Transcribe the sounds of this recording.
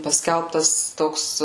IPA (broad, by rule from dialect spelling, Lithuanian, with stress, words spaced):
pɐˈsʲkʲɛlˠptɐs ˈtoːks